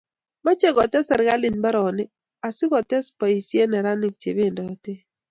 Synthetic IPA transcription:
ma˦t͡ʃɛ˦ɡɔ˨tɛ˦sɛ˨ɾɡa˦lɪ˨nba˦ɾɔ˨nɪ˦ | a˨sɪ˦kɔ˨tɛ˦spa˨i˨sje˦nɛ˨ɾa˦nɪ˨k̚t͡ʃe˨be˦˨ndɔ˨te˦

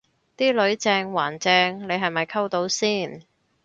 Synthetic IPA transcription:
t̪iː˥lɵ˨˧ɥt͡sɛː˧ŋwaː˨˩nt͡sɛː˧ŋle˨˧jɦɐ˨jmɐ˨jkʰɐ˥wt̪o˨˥wsiː˥˩n

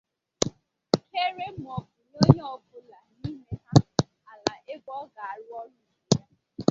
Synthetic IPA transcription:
ke˦ɾe˦m̩˨ɔ˨bʊ˨no˦ɲe˦ɔ˦˨bʊ˦la˨ni˦me˦ɦa˦˨ | a˨la˨ʔe˦bɔ˦ɡa˨a˨ɾʊ˦ɔ˦nʊ˦˨e˨ja˦

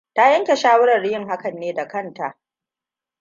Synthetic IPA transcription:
ta˦jɐ˦ŋkʲe˨ʃaː˦wʊ˦ɽɐ˨rːɪ˦jɪ˦˨ŋha˦kɐ˨nːeː˦da˨kɐ˦˨nta˨ʔ

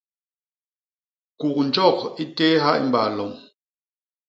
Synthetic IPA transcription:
ku˨k̚n̩˨d͡ʒɔ˦˨k̚i˦tɛ˦ɦa˦ʔi˦m̩˨ba˨lɔ˨m

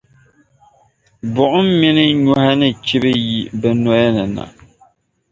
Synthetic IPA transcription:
bʊ˨ʔʊ˦m˦mɪ˦nɨ˦ɲɔ˦ha˦nɨ˨t͡ʃi˦bɨ˦ji˨bɛ˨nɔ˦jɛ˦nɨ˨na̰˨

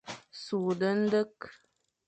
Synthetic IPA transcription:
su˨də˦n̩˦də˦k

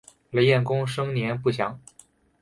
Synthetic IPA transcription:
le˧˥ɪjɛ˥˩nkʊ˥ŋʂɤ˥ŋnjɛ˧˥npu˥˩ɕjɑ˧˥ŋ

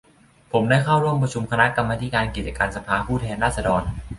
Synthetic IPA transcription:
pʰo˩˦mdaː˥˩jkʰa˥˩wɾu˥˩əmpɾa˧t͡ɕʰu˧mkʰa˧na˦˥ka˧mːaː˧t̪ʰi˦˥˩kaː˧nki˨˩t̪̚t͡ɕa˧kaː˧nsa˧pʰaː˧pʰuː˥˩t̪ʰɛː˧nɾaː˥˩sa˧dɔː˧n

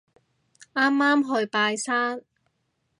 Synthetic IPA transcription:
aː˥mːaː˥mɦɵ˧ɥpaː˧jsaː˥n

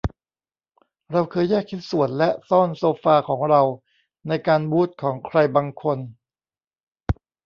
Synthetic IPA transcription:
ɾa˧wkʰɤː˧jːɛː˥˩k̚ʰːi˦˥t̪̚su˨˩˦ənlɛ˦˥ʔsɔː˥˩nsoː˧faː˧kʰɔː˩˦ŋɾa˧w | na˧jkaː˧nbuː˦˥˩t̪̚kʰɔː˩˦ŋkʰɾa˧jbaː˧ŋkʰo˧n

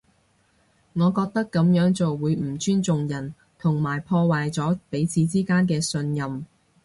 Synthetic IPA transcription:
ŋɔː˨˧kɔː˧k̚t̪ɐ˥kːɐ˨˧˥mjœː˨˥ŋt͡so˨wːuː˨˧jm̩˨˩t͡ʃyː˥nt͡sʊ˨ŋjɐ˨˩n | t̪ʰʊ˨˩ŋmaː˨˩jpʰɔː˧waː˨jt͡sɔː˨˥pe˨˥jt͡sʰiː˨˧t͡siː˥kaː˥nkɛː˧sɵ˧njɐ˨m

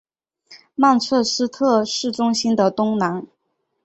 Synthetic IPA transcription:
ma˥˧nt͡sʰɤ˥˩ʂɻ̩˥t̪ʰɤ˥˩ʂɻ̩˥˩ʈ͡ʂʊ˥ŋɕi˥nd̪ə˨t̪ʊ˥ŋna˧˥n

